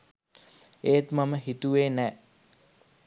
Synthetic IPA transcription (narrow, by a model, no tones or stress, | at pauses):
eːt̪maməɦit̪uʋeːnɛː